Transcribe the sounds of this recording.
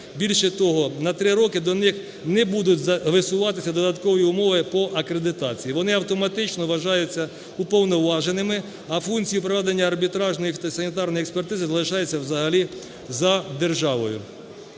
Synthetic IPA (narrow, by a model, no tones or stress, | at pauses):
bʲilʲʃɛt̪ɔɦɔnɐt̪ɾɪɾɔkɪd̪ɔnɪx | nɛbud̪ʊtʲzɐʋɪsʊʋɑt̪ɪsʲɐd̪ɔd̪ɐt̪kɔʋɔjiʊmɔʋɪpɔʔɐkɾe̞d̪ɪt̪ɑt͡sʲijiʋɔnɪɐwt̪ɔmɐt̪ɪt͡ʃnɔʋɐʒɑjʊt͡sʲːɐ | upɔwnɔʋɑʒenɪmɪ | ɐfunt͡sʲijipɾɔʋɛd̪enʲːɐːrbʲit̪ɾɑʒnɔjisɐnʲit̪ɑrnɔjɛkspert̪ɪzɪzɐlˠɪʃɑjɛt͡sʲːɐwzɐɦɐlʲi | zɐd̪erʒɑʋɔjʊ̰